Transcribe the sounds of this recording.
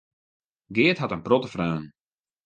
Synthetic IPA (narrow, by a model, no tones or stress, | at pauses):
ɡɪːətɦatənprotəfrœːn